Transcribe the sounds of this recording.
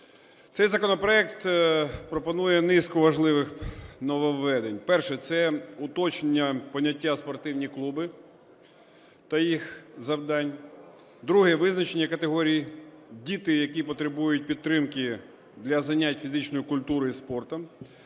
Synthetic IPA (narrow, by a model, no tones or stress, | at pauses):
t̪sɛjzɐkɔnɔpɾɔɛkt̪pɾɔpɔnujɛnɪskɔʋɐʒlˠɪʋɪxnɔʋɔʋːɛd̪enʲpɛrʃɛt̪sɛʊt̪ɔt͡ʃenʲːɐpɔnʲːɐtʲːaspɔrt̪ɪwnʲiklˠubɪ | t̪ɐjixzɐwd̪ɑnʲ | d̪ɾuɦɛʋɪznɐt͡ʃenʲːɐkɐt̪eɦɔɾʲijidʲit̪ɪjɐkʲipɔt̪ɾɪbujʊt̚ʲpʲit̪ːɾɪmkɪ | d̪lʲɐzɐnʲatʲfʲizɪt͡ʃnɔjʊkʊlʲt̪uɾʊispɔrt̪ɐ